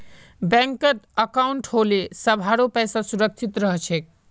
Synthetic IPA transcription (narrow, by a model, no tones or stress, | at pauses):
bɛ̃ŋkət̪əkauɳʈholesəbʱaɾopɛjsasuɾək̚t͡ʃʰit̪ɾəɦt͡ʃʰɛk